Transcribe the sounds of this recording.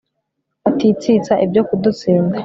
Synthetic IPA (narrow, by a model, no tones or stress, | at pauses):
atit͡sit͡saʔibjokudut͡siːnɡa